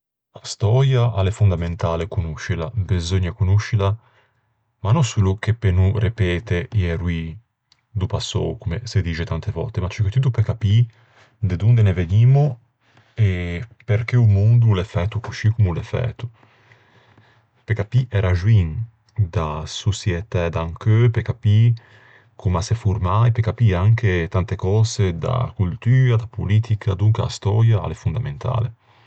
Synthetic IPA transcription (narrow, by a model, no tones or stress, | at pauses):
ast̪ɔːɾjaʔalefund̪ament̪aːlekunuʃila̰bezoɲːakunuʃila | manːosuluk̟epenurepɛːt̪ejɛɾwi | d̪upasːo̰wkumesed̪iːt͡ʃet̪ant̪evɔ̰lt̪emat͡ʃɛket̪ːut̪upekapi | d̪ed̪und̪eneveniːmo | epeɾk̟eumond̪ulefɛt̪ːukuʃikumulefɛ̰t̪u | pekapiʔɛɾaʒwiŋ | d̪asusjɛt̪ɛd̪aŋkøpekapi | kʰumasefuɾmajpekapiaŋk̟et̪ant̪ekɔːzed̪a̰kult̪yːɾad̪apʰoliːt̪ʰikʰad̪uŋkaa̰st̪ɔ̰ːɾjaa̰lefund̪ament̪ʰa̰ːlḛ